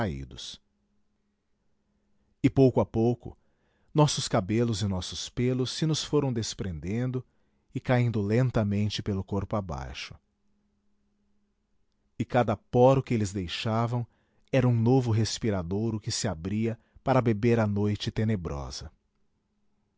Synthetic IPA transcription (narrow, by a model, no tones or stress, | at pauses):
aḭd̪ʊs | ɪpowkʊapowkʊ̰ | nɔsʊskabelʊzɪnɔsʊspelʊsːɪnʊsfoɾɐ̃w̃d̪espɾẽnd̪ẽnd̪ʊ | ɪkaĩnd̪ʊlẽnt̪ɐmẽnt͡ʃɪpelʊkoɾpʊaba̰jʃʊ̥ | ɪkad̪ɐpɔɾʊkɪelɪzd̪ejʃavɐ̃w̃ | ɛɾɐũnovʊɦespiɾad̪owɾʊkɪsɪabɾiɐ | paɾɐbebeɾɐnojt͡ʃɪt̪enebɾɔ̰z̥ɐ